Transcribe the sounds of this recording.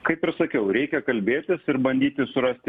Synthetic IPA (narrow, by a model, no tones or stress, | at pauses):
kɐɪpɪrsɐkʲɛʊɾʲɛɪkʲɛkɐlʲbʲeːt̪ʲɪsɪɾbɐnʲd̪ʲiːt̪ʲɪsʊɾɐsʲt̪ʲɪ